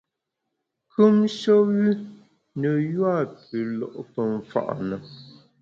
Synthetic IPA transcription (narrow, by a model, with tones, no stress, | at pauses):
kʰʉ˦mʃɔ˦wi˦ | nə˨jwa˦˨pʉ˨lɔ̰˨ʔpə˨ɱ̩˨fa̰˨ʔnə˨